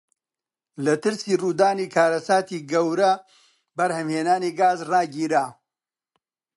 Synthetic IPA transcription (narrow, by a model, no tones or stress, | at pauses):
lɐt̪ɨɾsiːruːd̪aːniːkʰaːɾɐsaːt̪iːɡɐwɾɐ | bɐɾhɐmheːnaːniːɡaːzraːɡiːɾaː